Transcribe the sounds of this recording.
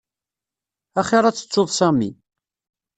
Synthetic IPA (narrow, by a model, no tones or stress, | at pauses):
æχiɾˤɑt͡sːə̥t͡sːoðˤsæmḭ